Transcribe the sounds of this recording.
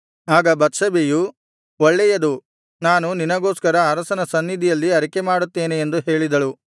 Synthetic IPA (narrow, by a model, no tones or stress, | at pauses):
aːɡɐbɐt̪sɐbiju | ɔɭːɛjɐd̪u | naːnuninɐɡo̞ːskɐɾɐɐɾɐsɐnɐsɐnːid̪ʱijɐlːiɐɾikemaːɽut̪ːe̞ːneend̪uɦe̞ːɭid̪ɐɭu